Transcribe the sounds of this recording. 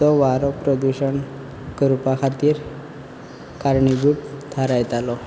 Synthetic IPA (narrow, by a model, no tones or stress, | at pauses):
ɔʋaɾɔpɾɔd̪uɕəɳ | kəɾupakʰat̪iːɾ | kaɾɳiɡuːʈt̪ʰaɾajt̪alɔ